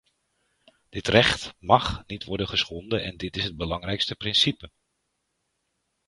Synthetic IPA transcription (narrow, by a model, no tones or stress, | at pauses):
d̥ɪtrɛχtmɑχnitʋɔɹdəχəsχɔndəʔɛndɪtɪsɦəd̚bəlɑŋrɛjkstəprɪnsipə